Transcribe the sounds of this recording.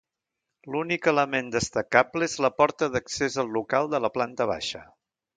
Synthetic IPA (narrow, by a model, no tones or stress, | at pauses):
lunikələmend̪əst̪əkapləezləpɔɾt̪əðəksezəlˠːukalˠd̪ələplant̪əβ̞a̰ʃə